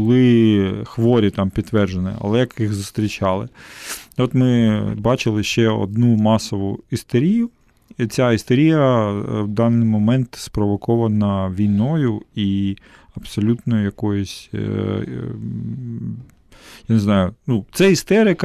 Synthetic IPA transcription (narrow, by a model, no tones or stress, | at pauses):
ʊlˠɪxʋɔɾʲit̪ɑmpʲit̪t̪ːʋɛrʒenɪ̰ɐ̰lˠɛjɐkjixzʊst̪ɾʲit͡ʃɑlˠɪ̰ | ɔt̪mɪbɑt͡ʃɪlˠɪʃt͡ʃɛɔ̰d̪numɑsɔʋʊ̰ist̪eɾʲijʊ | it͡sʲaist̪eɾʲijɐwd̪ɑnːɪjmɔmɛnt̪spɾɔʋɔkɔʋɐnɐʋʲijnɔjʊi | ɐbsɔlʲut̪nɔjʊjɐkɔjʊsʲ | janeznɑjʊnut̪sɛist̪ɛɾɪkɐ